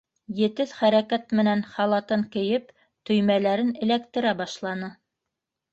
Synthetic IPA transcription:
jɘ̆t̪ɘðχæɾækæt̪̚mɘ̆nænχɑlˠɑt̪ɤŋkɘ̆jɘp̚ | t̪ɵ̆jmælæɾɘnɘ̆lækt̪ɘ̆ɾæbɑʃlˠɑnɤ

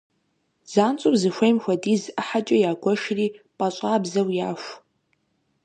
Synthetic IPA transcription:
z̥aːnt͡sʼʊpzɨxʷejmxʷɐdiːzɨħat͡ʃʼɐjaːɡʷɔʃriːpʼɐɕʷʼaːbzɐwjaːɕʷ

